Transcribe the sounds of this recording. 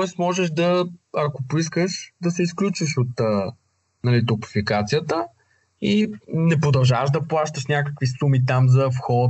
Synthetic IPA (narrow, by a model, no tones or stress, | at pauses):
t̪ɔɛst̪mɔʒɛʃd̪ɐɐkopʊiskəʃd̪ɐsɛisklʲut͡ʃviʃot̪ə | nɐlit̪ʊpi̥fikat̪sijət̪ə | inɛpɾod̪ɐlˠʒavəʃd̪ɐplˠaʃt̪əʃnʲakəkvisumit̪amzɐfxɔ